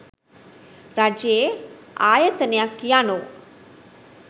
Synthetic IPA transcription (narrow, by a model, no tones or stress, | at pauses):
ɾad͡ʒeeaːjət̪ənejakːijano